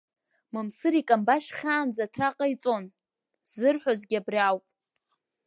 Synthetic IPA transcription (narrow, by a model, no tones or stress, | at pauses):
mɨmsɨɾikʼambaʃχʲaːnd͡zatʰraqʼait͡sʼo̞n | zɨrħʷazɡʲabriawpʼ